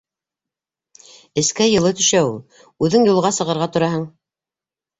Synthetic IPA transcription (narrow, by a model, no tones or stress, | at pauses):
ɘ̆skæjɤ̆lˠɤt̪ɵ̆ʃæwulˠ | ʉðɘŋjŭlˠʁɑsɤ̆ʁɤ̆ɾʁɑt̪ŏɾɑɦɤɴ